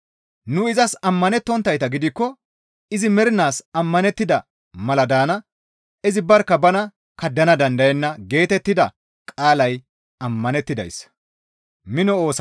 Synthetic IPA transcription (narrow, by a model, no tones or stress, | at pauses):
nʊɪzɐsɐmːɐnɛt̪ːɔnt̪ːɐjt̪ɐɡɪd̪ɪkːɔ | ɪzɪmɛɾɪnaːsɐmːɐnɛt̪ːɪd̪ɐ | mɐlɐd̪aːnɐ | ɪzɪbɐɾkːɐbɐnɐ | kɐd̪ːɐnɐd̪ɐnd̪ɐjɛnːɐɡe̞ːt̪ɛt̪ːɪd̪ɐ | kʼaːlɐj | ɐmːɐnɛt̪ːɪd̪ɐ̰js | mɪnɔo̞ːs